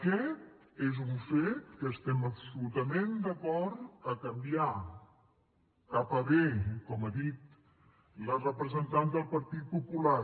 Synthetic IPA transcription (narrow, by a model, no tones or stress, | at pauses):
kɛt̪̚ | ezuɱfet̪̚kəːst̪ɛməpsulut̪əmend̪əkɔɾt̪əkəmbia | kapəβekɔməðit̪ | lərəpɾəzənt̪and̪əlˠpəɾt̪it̪̚pupula